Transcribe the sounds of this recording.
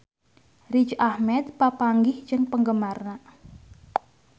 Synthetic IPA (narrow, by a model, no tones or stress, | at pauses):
rit͡ʃahmɛt̪̚papaŋɡɪhd͡ʒɨŋpəŋɡəmarna